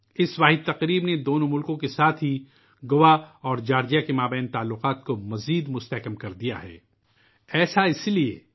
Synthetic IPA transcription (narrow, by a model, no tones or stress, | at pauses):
ɪsʋaːɦɪd̪̚t̪ɐqɾiːbned̪oːnõmʊlkõkesaːt̪ʰɦi | ɡʊʋaɔːɾd͡ʒaːɾd͡ʒijakemaːbɛːnt̪aːlːʊqaːt̪komɐziːd̪mʊst̪ɐɦkəmkɐɾd̪ija̰ɦɛ̰ː | ɛːsaɪsliḛ